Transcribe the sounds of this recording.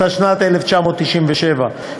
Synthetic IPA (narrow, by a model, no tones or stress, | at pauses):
aʃnat̪eleft͡ʃamoːt̪ːiʃimveʃeva